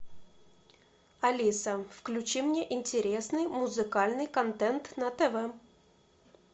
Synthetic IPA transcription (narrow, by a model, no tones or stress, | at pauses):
ɐlʲisəfklʲʉt͡ɕimnʲeʔɪnʲtʲɪɾʲe̞snɨjmʊzɨkalʲnɨjkɐnt̪ɛnt̪nət̪ɛvɛ